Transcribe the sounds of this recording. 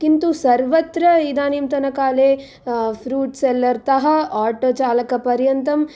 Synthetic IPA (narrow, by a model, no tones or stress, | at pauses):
kint̪usɐɾʋɐt̪ɾɐid̪aːnimt̪ɐnɐkaːleː | pʰɾuːʈselːɐɾt̪ɐɦɐaːɾʈoːt͡ʃaːlɐkɐpɐɾjɐnt̪ɐm